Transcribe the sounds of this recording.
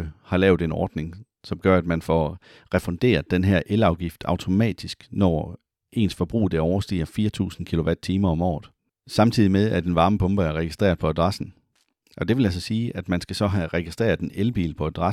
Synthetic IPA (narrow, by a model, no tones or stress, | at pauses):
əhɑ̈lɛːʊðd̥e̝nɒ̰ːd̥ne̝ŋ | sɒ̽mɡ̥ɶɐæd̥mænfɒ | ʁɛfɒ̽nd̥e̝̰ːɐð̩ˠd̥enɦeɐ̰ʔelɑ̈ʊɡ̥ifd̥ɑ̈ʊt͡sʰo̝mɛ̰ːd̥isɡ̥nɒ̰ː | ʔe̝̰ːnsfɒ̽b̥ʁṵːd̥eɐɒʊɐsd̥ḭːɐfiːɐt͡sʰṵːsn̩kʰilo̝ʋæd̥̚t͡sʰiːmɐɒ̽mɒ̰ːð̞̩ˠ | sɑ̈mt͡sʰið̞̰ˠimeðˠæd̥enʋɑ̈ːməpʰɔ̽mb̥əæɐʁɛɡisd̥ʁɛ̰ɐpʰɒ̽æd̥ʁɑ̈sn̩ | ʔɒ̽d̥e̝ʋe̝lælsɒsiːʔæd̥mænsɡ̥æsɒ̽ɦæʁɛɡ̥isd̥ʁɛ̰ːɐðˠd̥enelb̥ḭːlpʰɒ̽æd̥ʁɑ